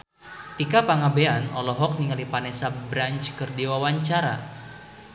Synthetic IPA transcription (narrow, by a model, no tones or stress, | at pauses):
t̪ikapaŋabeanɔlɔɦɔk̚niŋalipanɛsabɾant͡ʃkərdiwawaɲt͡ʃaɾa̰